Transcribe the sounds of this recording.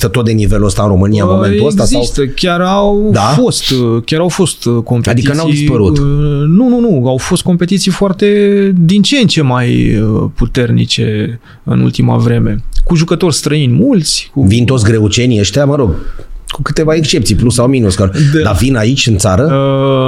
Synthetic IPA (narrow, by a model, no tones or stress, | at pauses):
t̪ət̪ot̪̚d̪e̞niveluəst̪aɨnɾo̞mɨnijamo̞meneuəsɡt̪aszaiwst̪əkʲarawd̪afo̞st̪kʲjaɾawfo̞st̪ko̞mpeadt̪iikənawiispəɾut̪nununuawfo̞st̪̚ko̞mpe̞t̪it̪sijfoart̪e̞d̪int͡ʃent͡ʃe̞majəput̪e̞rnḭt͡ʃe̞ | ɨ̰nṵlt̪ima̰vɾe̞me̞kuʒukət̪o̞rʲst̪ɾəinʲmult̪sʲkuvint̪ot̪s̬ʲɡɾe̞ut͡ʃe̞niəʃt̪eaməɾoɡkukɨt̪e̞vaekst͡ʃe̞p̚t̪sijplusawminuskad̪ed̪avinait͡ʃʲɨnt̪saɾəə